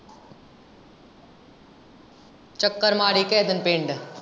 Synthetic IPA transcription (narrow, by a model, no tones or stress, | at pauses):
t͡ʃɐkːəɾmaːɽiːkeːd̪ənpeːɳɖ